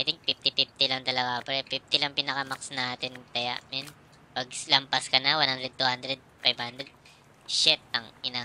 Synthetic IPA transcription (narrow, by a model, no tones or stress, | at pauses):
ʔajt̪ɪŋk̚pɪf̚p̪ɪpɪf̚t̪ɪlɐŋt̪ɐlɐɡapɛɾɛpif̚t̪ɪlɐŋpɪnɐkɐmɐksnaːt̪ɪnt̪ɐja̰ʔmɛn | pɐɡ̚slɐmpaskɐnɐwanhand̪ɾɛd̪̚t̪uhand̪ɾɛd̪̚fajbhand̪ɾɛd̪̚ | ʃɛt̪̚ɐŋʔɪna